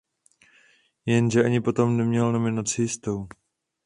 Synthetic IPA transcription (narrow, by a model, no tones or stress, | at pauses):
jɛnʒɛʔaɲɪpo̞t̪o̞mnɛmɲɛlno̞mɪnat͡sɪjɪst̪ow